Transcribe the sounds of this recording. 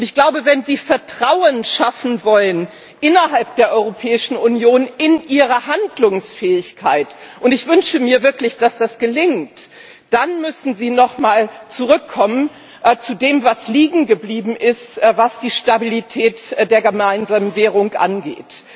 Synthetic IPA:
ʔʊntɪçɡ̥laʊbəvɛnziːfɛɐtʁ̥aʊənʃafn̩vɔlən | ʔɪnɐɦalp̚d̥eːɐʔɔʏʁopʰɛːɪʃn̩unjoːnɪnʔiːʁɐhandlʊŋsfɛːɪçkʰaɪtʔʊntɪçv̥ʏnʃəmiːɐvɪɐklɪçd̥asd̥asɡ̥əlɪŋt | d̥anmʏsn̩ziːnɔχmaːlt͡suʁ̞ʏkʰːɔmən | t͡sudeːmvasliːɡŋ̩ɡəbliːbm̩ʔɪstvasd̥iːʃtabilitʰɛːtd̥eːɐɡəmaɪnzaːmənvɛːʁ̞ʊŋʔa̰nɡḛːt

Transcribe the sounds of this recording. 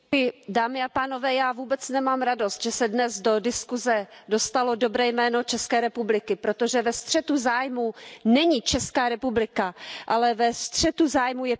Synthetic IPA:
ɪdaːmɪapaːno̞vɛːjaːvuːbɛt͡snɛmaːmɾado̞st̪ʒ̥ɛsɛdnɛzdo̞dɪskuzɛdo̞st̪alo̞do̞bɾɛːjmɛːno̞t͡ʃɛskɛːɾɛpublɪkɪpɾo̞t̪o̞ʒɛvɛst̪r̝̥ɛt̪uzaːjmunɛɲit͡ʃɛskaːɾɛpublɪkaʔalɛvɛst̪r̝̥ɛt̪uzaːjmujɛ

